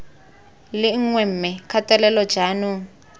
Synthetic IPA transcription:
lɪŋ̩ŋwɛm̩mɛkʰatʼɛlɛlɔ̥d͡ʒ̥aːnu

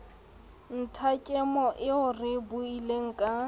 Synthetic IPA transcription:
n̩tʰakʼɛmɔʔɪʊrɪbʊileŋ̩kʼa

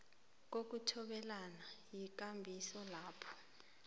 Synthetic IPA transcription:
k̬ok̬utʰɔɓɛlanajik̬ʼambʱisɔlaːpʰɔ̥

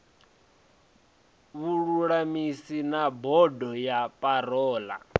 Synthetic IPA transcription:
βuɺuɺamisinabɔdɔjapʼaɾɔːla̰

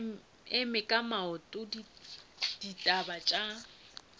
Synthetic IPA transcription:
ɪmɪkʼamaʊtʼʊdi | d̥itʼabat͡ʃʼa

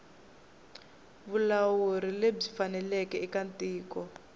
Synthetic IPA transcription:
βulawuɾileb͡ʐifanɛlɛkɛikantʼiːkɔ

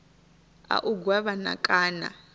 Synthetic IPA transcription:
a̰ʔuɡwaβana̰kʼaːna̰

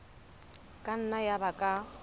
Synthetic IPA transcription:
kʼan̩najabakʼa

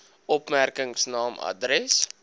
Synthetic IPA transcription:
ɔpmærkəŋsnɑːmɐ̰dɾɛs

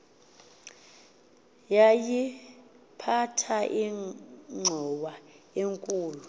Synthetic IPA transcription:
jaji | pʰatʰaʔiŋ͡ǀʱɔɓa | eŋkʼuːlu

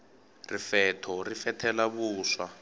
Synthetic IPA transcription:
rifɛtʰɔrifɛtʰɛlaβuːswa

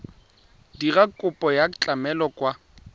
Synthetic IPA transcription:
dirakʼʊpʼɔjat͡ɬʼamɛlɔkʼwa

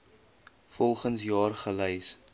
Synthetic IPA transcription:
fɔlˠχənsjɑːrχəlɛjs

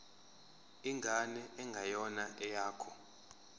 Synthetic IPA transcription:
iŋɡʱanɛɛŋɡʱajɔnaʔɛjaːkʰɔ

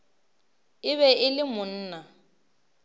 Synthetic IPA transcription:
ɪβɛɪlɪmʊn̩ːna

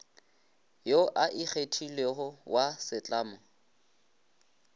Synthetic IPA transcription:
joʔaʔik͡xʰetʰilehʊwasɪt͡ɬʼaːmɔ

